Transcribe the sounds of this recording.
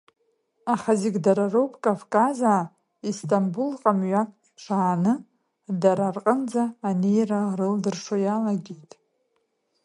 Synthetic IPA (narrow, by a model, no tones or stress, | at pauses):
aχaziɡʲdaɾarowpʰʼkʼavkʼazaː | istʼambulqʼamɥakʼ | ʈ͡ʂʰaːnɨ | daɾarqʼənd͡zaːne̞jrarɨldɨrʂojalaɡʲijtʼ